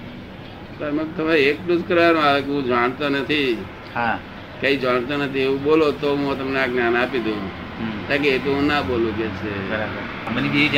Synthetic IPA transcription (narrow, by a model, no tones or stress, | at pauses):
səɾmẽt̪əmeek̚ʈuskəɾʋanũakũd͡ʒaɳ̃t̪onət̪ʰi | a | kəid͡ʒaɽ̃t̪onət̪ʰiũɓolot̪oɦõt̪əmneaknanaːpid̪ʱũ | k̪ak̬eet̪oɦũnaɓolũkɛt͡ʃʰebəɾabəɾ | mənibid͡ʒ